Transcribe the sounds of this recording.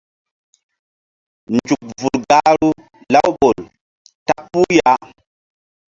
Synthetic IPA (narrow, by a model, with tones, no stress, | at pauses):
nd͡ʒu˨k̚vu˨ɾɡa˦ɾu˦ | la˦wɓo˨l | ta˦k̚pːu˦ja˦